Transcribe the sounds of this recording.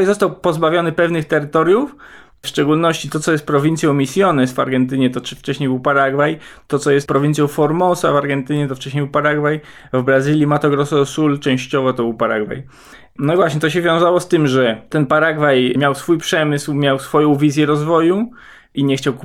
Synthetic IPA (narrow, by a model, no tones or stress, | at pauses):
jzɔst̪awpɔzbavʲjɔnɘpɛvnɘxt̪ɛɾɘt̪ɔɾʲjuf | fʂt͡ʂɛɡulnɔɕt͡ɕit̪ɔt̪ɔjɛst̪pɾɔvʲint̪sʲjɔ̃w̃mʲisʲjɔnɛsva̰ɾɡɛnt̪ɘɲɛt̪ɔft͡ʂɛɕɲejbɘwpaɾaɡvajt̪ɔt̪sɔjɛst̪pɾɔvʲint̪ʲjɔ̃w̃fɔɾmɔsavaɾɡɛnt̪ɘɲɛt̪ɔft͡ʂɛɕ̬ɲʲejbɘwpaɾaɡvaj | vbɾazɘlʲimat̪ɔɡɾɔsɔsult͡ʂɛ̃w̃ɕt͡ɕɔvɔt̪ɔbɘwpaɾa̰ɡva̰j | nɔivwaɕɲɛt̪ɔɕ̬ɛvʲjɔ̃w̃zawɔst̪ɘmʐɛt̪ɛnpaɾaɡvajmʲjawsfujpʂɛmɘswmʲjawsfɔjɔ̃w̃vʲizʲjɛɾɔzvɔju | iɲɛxt͡ɕawk